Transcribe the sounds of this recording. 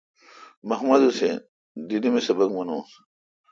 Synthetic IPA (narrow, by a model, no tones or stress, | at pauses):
mɐhmɐd̪usḛ | d̪inimesɐbɐɡmɐnoːs